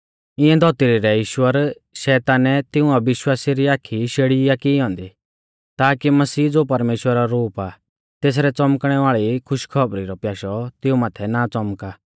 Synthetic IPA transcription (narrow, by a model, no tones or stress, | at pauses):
ɪ̃ɛ̃d̪ʱɔt̪iɾiɾɛiːʃwəɾ | ʃɛːt̪aːnɛt̪ɪʊ̃aʋɪʃwaːsiɾiaːkʰiʃeːɽiakɪɦɔ̃ːnd̪i | t̪aːkimɐsiːd͡zoːpɐɾmeːʃwəɾaɾuːpa | t̪eːs̬ɾɛt͡sɔmkɽ̃ɛʋaːɭikʰʊʃkʰɔbɾiɾɔpjaːʃɔt̪ɪũmaːt̪ʰɛnat͡sɔmkaː